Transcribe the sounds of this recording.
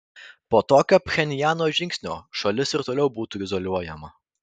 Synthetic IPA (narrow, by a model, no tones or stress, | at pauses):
poːt̪oːkʲoːpʲxʲɛnʲɪjæːnoːʒʲɪŋʲksʲnʲo̰ːʃɐlʲɪsɪɾt̪oːlʲɛʊbuːt̪uːɪzɔlʲuɔjɛmɐ